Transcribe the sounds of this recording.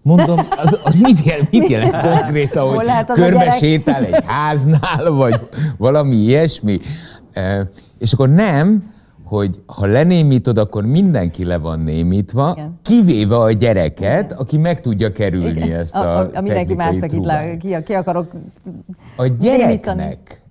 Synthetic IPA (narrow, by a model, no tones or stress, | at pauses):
mo̞nd̪omzɒzmit̪jɛmit̪jɛlɛnnkoŋkreːt̪ɒnho̥lɛt̪kørmɛʃʃeːt̪alɛhaːznaːlvɒɟvɒlɒmiiɛʃmi | eːʃɒkːornɛm | ho̞ɟhɒlɛneːmiːt̪o̞d̪ɒkːo̞rmind̪ɛŋkilɛvɒ̰nːḛːmiːt̪ʋɒkiveːvɛɒɟɛɾɛ̰kɛt̪ɒkimɛkt̪uɟːɒkɛɾylnḭɛst̪ːmiɛd̪ɛŋnimajikt̪iulakikiɒkɒɾok | ɒɟɛɾɛiknɛ̰k